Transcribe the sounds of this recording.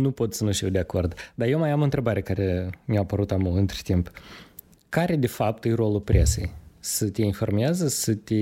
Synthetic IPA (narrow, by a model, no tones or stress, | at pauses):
nupo̞t̪sənuʃt̪iwd̪eako̞rd̪d̪aje̞wmajamoɨnt̪ɾe̞baɾekaɾemeapəɾut̪amuɨnt̪ɾe̥t̪imp | kaɾe̞d̪e̞fap̚t̪ɨjro̞lupɾʲʔe̞̰se̞̰jsət̪ʲeinfo̞rmeazəsət̪ʲe